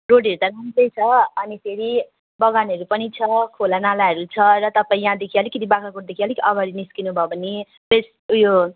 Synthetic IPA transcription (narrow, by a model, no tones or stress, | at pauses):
roɽʌɾut̪aɾamd̪ʌjt͡sʰʌʌnipʰeɾi | bʌɡanʌɾupʌnit͡sʰʌkʰolanalaɦʌɾut͡sʰʌɾʌt̪ʌpaĩjãd̪ekʰialikit̪ibakakoʈd̪ekʰialikiʔʌɡʌɾiniskinubʱʌobʱʌnːe | es | jo